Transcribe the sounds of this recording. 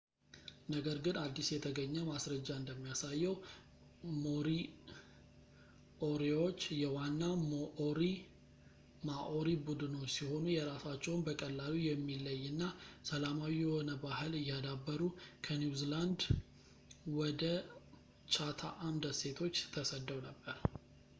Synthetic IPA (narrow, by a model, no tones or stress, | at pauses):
nəɡəɾɡɨnad̪ːisjɛt̪ʰəɡəɲːɛmasɾəd͡ʒːaɨnd̪əmːijasajːɛw | moɾi | ʔoɾeo̞t͡ʃːjɛwanːamoʔoɾi | maʔo̞ɾibud̪ɨno̞t͡ʃːsiho̞nujɛɾasat͡ʃːɛwnbəkʼəlːalijɛmːilːəjːɨnːasəlamawijɛhonəbahɨlɨjːad̪abːəɾukʰəniuziland̪ | wɔd̪ə | t͡ʃʰat̪ʰa̰ʔamd̪əse̞t̪ʰo̞t͡ʃːt̪ʰəsəd̪ːəwnəbːəɾ